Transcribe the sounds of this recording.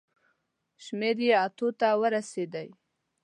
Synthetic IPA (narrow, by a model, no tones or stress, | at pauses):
ʃmeɾjeat̪ot̪awəɾased̪əj